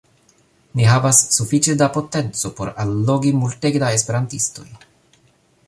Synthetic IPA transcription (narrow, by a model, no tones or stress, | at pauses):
niɦavasːufit͡ʃedapo̞te̞nt͡so̞po̞ɾalːo̞ɡimulteɡdaespe̞ɾantisto̞̰j